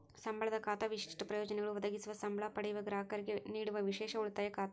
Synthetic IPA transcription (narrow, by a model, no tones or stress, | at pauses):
sɐmbʱɐɭɐd̪ɐkaːt̪ɐʋiʂi̥ʂʈɐpɾɐjoːd͡ʒɐnɛɡɐɭuʋɐd̪ɐɡisuʋɐsɐmbʱɐɭapɐɽejuʋɐɡɾaːɐkɐɾiɡeniːɽuʋɐʋiʂɛːʂɐuɭt̪ːaːjɐkaːt̪ɐ